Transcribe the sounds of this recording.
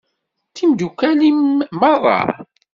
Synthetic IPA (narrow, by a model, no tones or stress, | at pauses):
θimd̪ukælimmərˤːɑ̰